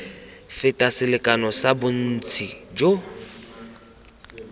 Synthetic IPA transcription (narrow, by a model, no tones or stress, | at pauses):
fɪtʼasɪlɪkʼanɔsabʊn̩t͡sʰid͡ʒo